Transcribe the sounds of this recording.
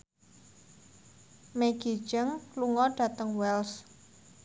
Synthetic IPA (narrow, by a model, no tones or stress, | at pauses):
meɡ̥i̤̥d͡ʒəŋluŋɔɖ̥ä̤t̪əŋwɛls